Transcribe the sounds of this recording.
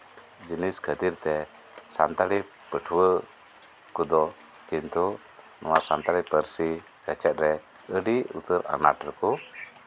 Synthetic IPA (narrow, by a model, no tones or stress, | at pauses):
d͡ʒəniskat̪irt̪ɛ | sant̪ali | pəʈʰuwə | kud̪ɔ | kint̪u | nʔuwasant̪alipəɾsi | kat͡ʃɛt̪̚ɾɛ | əɖiut̪əɾa̰na̰t̪rəku